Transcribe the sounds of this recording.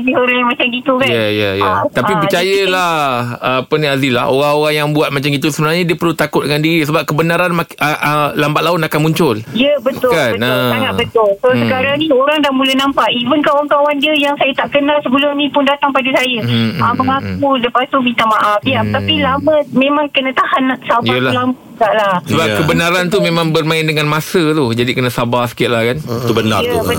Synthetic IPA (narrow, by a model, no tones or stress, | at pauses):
dioɾajamãt͡ʃamɡit̪ukajajaja̰t̪apipət͡ʃajəlahəapənĩazila̰hoɾaŋoɾaŋjaŋbuat̪̚mãt͡ʃamɡit̪usəbənalɲadiəpərlut̪akʊt̪̚dəŋandiɾisəbap̚kəbənaɾanmaʔəlambat̪ʔ̪̚laʊt̪akanmuɲt͡ʃʊljəbət̪ʊkanbənasaŋabət̪ʊlsosəkaɾaŋnĩoɾaŋdahmũlənãmpaʔivənkawaŋkawandiəjaŋsajət̪aʔkənalsəbəlʊmnĩpʊndat̪aŋpadəsajəəməŋak̚uləpast̪umit̪amaʔafiaft̪apilamə̃mẽmãŋkənə̃t̪ahanːaʔsabəlalamaɡaʔlasəbakəbənaɾant̪umẽmãŋbərmãɪndəŋanmasət̪ud͡ʒadikənə̃sabasə̥kɪt̪̚lahkant̪ubəna̰əbə